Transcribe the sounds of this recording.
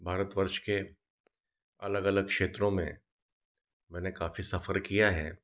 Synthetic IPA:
bʱaːɾət̪ʋəɾʃke | ɐləɡɐləɡ̚kʃeːt̪ɾõmḛ̃ | mɛ̃ːnekaːfisɐfəɾkijaɦɛ̰ː

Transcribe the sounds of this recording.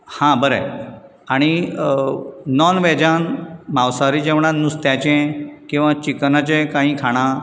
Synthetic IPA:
hãbəɾe | aɽ̃i | nɔnʋɛd͡ʑanmawsaɾiːd͡ʑɛ̃ʋɳãnust̪jat͡ɕɛ̃kĩw̃ʋãt͡ɕiknat͡ɕẽkãɦĩːkʰaɽ̃ã

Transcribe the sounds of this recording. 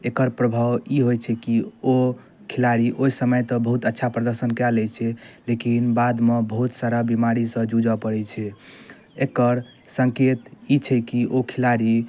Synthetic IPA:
ekəɾpɾəbʱawiɦojt͡ʃʰɛkio | kʰilaɾiʔoisəməjt̪ɔbəɦut̪ətːʃʰapɾəd̪əɾsənkɛlɛt͡ʃʰɛlekinbad̪mebəɦut̪saɾabimaɾisə̃d͡ʒud͡ʒapəɽɛt͡ʃʰɛ | ekəɾ | səŋket̪it͡ʃʰɛkiʔokʰilaɾi

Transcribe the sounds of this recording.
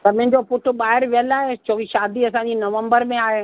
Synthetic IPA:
t̪ɐm̃ɪ̃̆d͡ʑopʊʈʰɓaːɦɪɾʋiəlaːɦet͡ɕoːkiʃaːd̪iɐsãːɲd͡ʑinɐʋə̃mbəɾmẽaːɦe

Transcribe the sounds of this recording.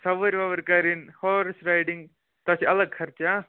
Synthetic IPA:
sɐʋɐɾʋɐʋɐɾkaːɾinhoːɾsɾajɖiŋɡ | t̪ɐt͡ʃiɐlɐɡkʰɐɾt͡ʃa

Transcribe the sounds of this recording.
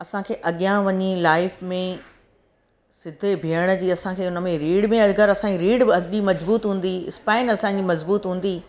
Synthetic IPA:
ɐsãkʰeːʔɐɠijãʋɐɲilaːɪfmẽ | sɪd̪ʱebʱiəɽ̃d͡ʑiːɐsãkʰeːʊnə̆mẽɾiːɽmẽɐlɡəɾɐsãiɾiːɽɐɗimɐzbuːt̪ɦũːn̆d̪iɪspaːɪnɐsãd͡ʑimɐzbuːt̪ɦũːn̆d̪i

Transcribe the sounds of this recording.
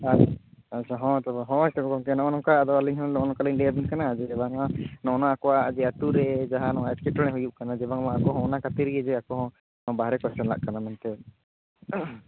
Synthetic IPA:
aatt͡ʃʰaɦɔ̃t̪ɔbaɦɔ̃ɛt̪ɔkɔkɔŋkɛnɔ̃ʔɔnɔ̃kad̪ɔaliɲɦɔ̃nnɔʔnɔ̃kaliɲlɛjab̪inkanad͡ʒɛɛbaŋanɔ̃ʔnaakɔwaʔd͡ʒɛat̪uɾɛd͡ʒaɦanɔʔaɛtkɛʈɔɽ̃ɛ̃ɦujuʔkanad͡ʒɛbaŋmaʔakɔɦɔ̃ɔnakat̪iɾiɛd͡ʒɛakɔɦɔ̃ | baɦɾɛkɛst͡ʃɔnla̰ʔkanamant̪ɛ

